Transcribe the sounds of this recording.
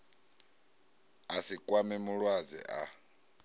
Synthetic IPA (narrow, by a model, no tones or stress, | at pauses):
asikʼwamɛmuɺwad͡zɛ̰ʔa